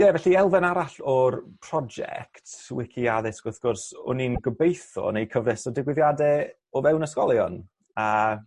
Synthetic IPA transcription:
jɛvɛɬiɛlˠvɛnaɾaɬɔrpʰr̥ɔd͡ʒɛ̰ktʰwɪkʰiaðɛsɡ̥ʊθɡ̥ɔrsɔ̰ninɡəbejθɔ̰nejkʰəvnɛsɔdɪɡwɪðjadɛ | ɔvɛwnəskɔlˠjɔn | a

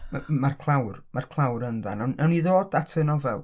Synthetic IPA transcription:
mamarkʰlˠawrmarkʰlˠawɾənda̰nanawniðoːdatʰənɔvɛlˠ

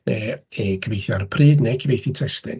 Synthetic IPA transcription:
neekʰəvejθjɔrpʰriːdnekʰəvejθitʰɛstɛ̰n

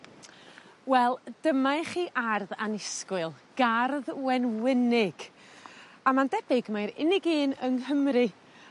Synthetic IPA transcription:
wɛlˠd̥əmaɨχiːʔarðanɪskwɨlˠɡ̥arðwɛnwɪnɪɡ̥ | amandɛbɪɡmajɾɪ̰nɪɡiːnəŋhəmrɨ

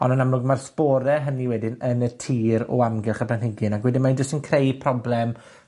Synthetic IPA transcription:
ɔ̰nənamlʊɡmarspɔːɾɛɦəniwɛdɪnənətʰiːɾɔ̰amɡɪrχabʰanhɪɡɨnaɡwɛdɪnmaid͡ʒʊstənkʰrejpʰrɔblɛm

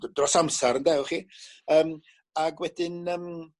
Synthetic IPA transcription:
drɔsamsɛɾəndɛwχiːəːm | aɡwɛd̥ɪnəːm

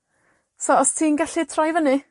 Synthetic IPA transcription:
sɔɔstʰiːnɡaɬitʰrajvənɨ

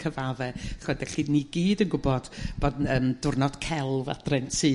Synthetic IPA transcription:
kʰəvavɛχɔdɛɬiniɡiːdənɡʊbɔd̥b̥odəːmdʊrnɔd̥kʰɛlˠva̰d̥rɛntʰɨ

